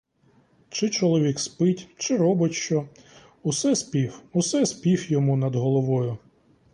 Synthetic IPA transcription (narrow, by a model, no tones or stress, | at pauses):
t͡ʃɪt͡ʃɔlˠɔʋʲikspɪtʲt͡ʃɪɾɔbɪtʲʃt͡ʃɔ | usɛspʲiwusɛspʲiwjɔmunɐd̪ɦɔlˠɔʋɔjʊ